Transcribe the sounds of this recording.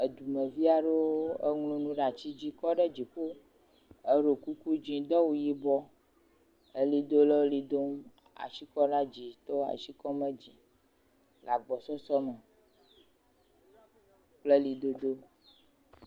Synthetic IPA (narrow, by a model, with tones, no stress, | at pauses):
e˨d̪u˨mɛ̃˨vi˦a˨ɖe˦wo˦e˦ŋlũ˦nũ˦ɖa˨t͡ɕi˦d͡ʑi˦kɔ˦ɖɛ˦d͡ʑi˨ɸo˦ | e˦ɖo˨ku˦ku˦d͡ʒĩ˦d̪ɔ˦wu˦ji˦bɔ˦ | e˦li˨d̪o˦le˦li˨d̪o˦m | a̰˨ʃi˦kɔ˦ɖa˦d͡ʒi˨t̪ɔ˦a̰˨ʃi˦kɔ˦mɛ̃˦d͡ʒi˨ | la˨ɡ͡bɔ˨sɔ˦sɔ˦mɛ˨ | k͡ple˦li˨d̪o˦d̪o˦